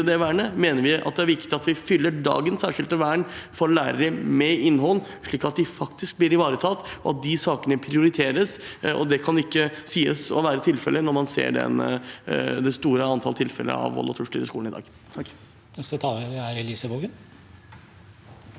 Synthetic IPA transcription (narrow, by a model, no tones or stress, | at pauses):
əd̪ɛʋæːɳəmeːnəɾʋɪʔɑ̰t̪̚d̪ɛæɾʋɪkt̪ɪɑt̪ʋɪfʏlːəɖɑ̰ːɡənsæːʂɪlt̪əʋæːəɳfɔɾlæːɾəɾəmɛɪnːhɔlː | ʂɭiːkɑt̪̚d̪ɪfɑkt̪ɪsk̚b̪ɪɾɪʋɑːɾət̪ʰɑːt̪ːɔɑt̪̚d̪ɪsɑːkənəpʰɾɪʊɾɪt̪ʰeːɾəsɔ̰d̪ɛkʰɑnɪkːəsiːəsɔ̰ʋæːɾət̪ʰɪlfɛlːənɔɾmɑnsḛːɖɛ̰n | d̪ɛst̪uːɾəɑnt̪ʰɑlt̪ʰɪlfɛ̰lːə̰ɑ̰ʋɔ̰lːɔt̪ʰʉʂʈḭːɾəskuːlnɪd̪ɑ̰ːɡ | nɛsət̪ʰɑæɾɪlisəboːɡən